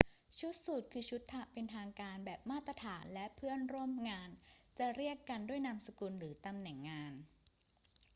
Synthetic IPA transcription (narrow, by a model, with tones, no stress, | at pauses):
t͡ɕʰu˦˥t̪̚su˨˩t̪̚kʰɯː˧t͡ɕʰu˦˥t̪ʰːa˦˧˩pe˧nt̪ʰaː˧ŋkaː˧nbɛː˨˩p̚maː˥˩t̪ːɾa˧t̪ʰaː˩˦nlɛ˦˥ʔpʰɯ˥˩ənɾu˥˩əmŋaː˧nt͡ɕa˨˩ɾi˥˩əkːa˧ndu˥˩əjna˧msa˧kuː˧nɾɯː˩˦t̪a˧mnɛ˨˩˦ŋːaː˧n